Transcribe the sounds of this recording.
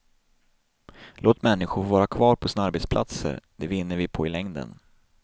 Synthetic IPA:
loːt̪mɛnːɪɧʊɾvɑːɾakʰvɑːɾpʰɔsɪnaaɾbɛt̪spʰlʔa̰t̪sə̰ɾd̪̥ɛvɪnːəɾvɪpʰɔɪlɛŋd̪ə̰n

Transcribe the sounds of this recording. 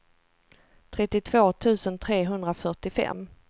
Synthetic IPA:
t̪ʰɾɛt̪ːɪt̪ʰv̥oːt̪ʰʉ̟ːsənt̪ʰɾeːɦɵnd̪ɾafœʈɪfɛ̰mː

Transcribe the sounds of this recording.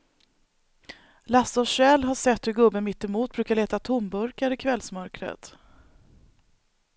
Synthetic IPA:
lasɔɕɛːlɦaʂɛt̪hɵɾɡɵbːənmɪt̪ːɛmuːt̪̚bɾʉ̟ːkaɭeːt̪at̪ʰʊmbɵɾkaɾɪkʰvɛlsmœɾkɾə̰t̪

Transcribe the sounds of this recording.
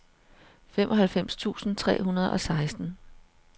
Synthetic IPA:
femʔɒ̽ɦælfem̰st͡sʰṵːsn̩t͡sʰʁɛ̰ːɦunɐð̞ˠɒ̽sɑ̈ɪsd̥n̩

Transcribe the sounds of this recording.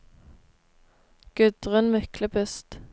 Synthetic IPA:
ɡ̥ʉd̪̥ʁənmʏkləbʰʉst̪

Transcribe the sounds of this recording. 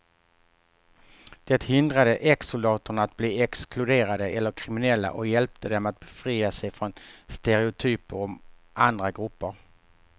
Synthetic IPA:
d̪̥ɛt̪hɪnd̪ɾad̪əʔɛksʊld̪ɑːt̪ʊɳaːt̪̚bliːɛksklɵd̪eːɾad̪əʔɛlːəɾkʰɾɪmɪnɛlːa̰ʔɔjɛlp̚t̪ʰəd̪ɛmat̪̚b̥ɛfɾiːasɛjfɾɔnst̪ɛɾɛʊt̪ʰyːpəɾɔm | ʔand̪ɾaɡɾɵpːəɾ

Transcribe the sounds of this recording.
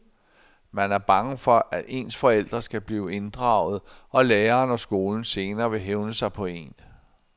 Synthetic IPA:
mænæɐb̥ɑ̈ŋəfɒ̽ʔædʔe̝̰ːnsfɒ̽el̰d̥ʁɐsɡ̥æb̥liːʊe̝nd̥ʁɑ̈ʊð̞̩ˠʔɒ̽leːɐːnɒ̽sɡ̥o̝ːln̩se̝ːnɐːʋe̝ɦeʊnəsɑ̈ɪpʰɒ̽e̝̰n

